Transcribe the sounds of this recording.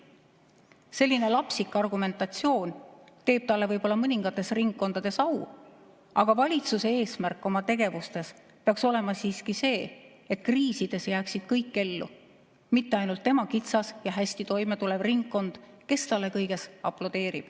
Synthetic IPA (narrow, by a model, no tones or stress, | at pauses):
se̞lʲːine̞lɑpsikˑːɑrɡume̞nt̪ɑt̪sio̞ːnt̪e̞ːb̥t̪ɑlːe̞vɤjb̥o̞lːɑmɤnʲiŋɡ̥ɑt̪ːˑe̞sriŋɡːo̞nd̪̥ɑd̪̥e̞sɑw | ɑɡ̥ɑvɑlʲit̪suse̞eːsmærkˑːo̞mɑt̪e̞ɡ̥e̞vust̪e̞s | peɑkso̞le̞mɑsiːskise̞ː | et̪ˑkriːsid̪̥e̞sjæːksid̪̥kɤjkːe̞lːṵ | mit̪ːe̞ɑjnult̪ːe̞mɑkit̪sɑsjɑɦæsʲt̪it̪o̞jmet̪ule̞b̥riŋɡːo̞nd̪̥ke̞st̪ɑlːe̞kɤjɡe̞sɑplod̪̥e̞ːɾḭb̥